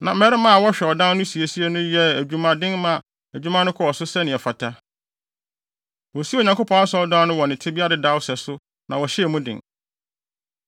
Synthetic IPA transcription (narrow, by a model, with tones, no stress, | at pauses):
nã˨m̩˦mɛ˦ɾɪ˦mã˦a˨wɔ˦ɕᶣɛ˨ɔ˨dã˦n˦nʊ̃˦si˨e˨si˦ɛ˨˦nʊ̃˦jɛ˦æ˨d͡ʑᶣu˦mã˦dɪ̃˦ŋmã˨ | æ˨d͡ʑᶣu˦mã˦nʊ̃˦kʰɔ˦ɔ˨sʊ˦sɛ˦nɪ̃˨ɛ˨fa˨tʰa˦ | wɔ˨si˦o˨ɲã˨kʰo˦pʰɔ̃˦na˦sɔ˦dã˦nʊ̃˦wɔ˨nɪ̃˨tʰɪ˦bi˦a˦ɾɪ˨da˦wsɛ˨sʊ˦ | nã˨wɔ˨ɕɛ˦ɛ˨mũ˦dɪ̰̃˨ŋ